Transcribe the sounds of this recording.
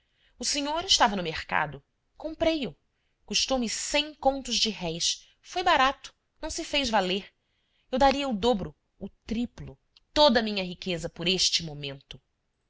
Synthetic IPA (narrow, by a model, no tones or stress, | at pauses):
ʊseɲoɾɪʃt̪avɐnʊmeχka̰d̪ʊ | kõmpɾejʊ | kuʃt̪owmɪsẽj̃kõnt̪ʊzd͡ʒɪɦɛjs | fojbaɾat̪ʊ̥ | nɐ̃w̃sɪfejzvaleɾ | ewd̪aɾiɐʊd̪obɾʊ | ʊt̪ɾiplʊ | t̪od̪ɐmĩɲɐɦikezɐpʊɾeʃt͡ʃɪmomẽnt̪ʊ